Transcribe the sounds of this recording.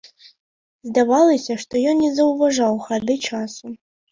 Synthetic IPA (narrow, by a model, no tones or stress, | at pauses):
zd̪avalˠɐsʲɐʂt̪ɔjɔnːʲɛzɐwvɐʐawxadɨʈ͡ʂʰasu